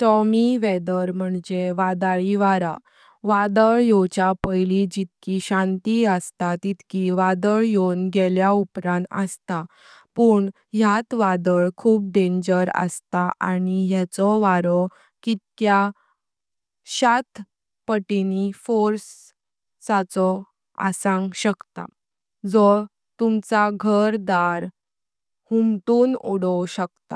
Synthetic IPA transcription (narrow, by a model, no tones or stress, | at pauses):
ʈɔmiʋɛd̪əɾm̤əɳd͡ʑeʋad̪aɭiʋaɾa | ʋad̪əɭjot͡ɕapəjlid͡ʑit̪kiɕãnt̪iəst̪at̪it̪kiʋad̪əɭjonɡɛljaupɾãnt̪ə̰st̪a | pəːɳ | ɦjat̪ʋad̪əɭkʰuːp̚ɖẽɲd͡ʑəɾə̰st̪aʔaɽ̃iɦjat͡sɔʋaɾɔ | kit̪̚kja | ɕat̪ʰ | pəʈinifoɾsː | at͡sɔ | a̰sãŋɡɕəkt̪a̰ | d͡zɔ | t̪umt͡saɡʱəɾd̪aɾ | humt̪uːnuɽɔɕək̚t̪a̰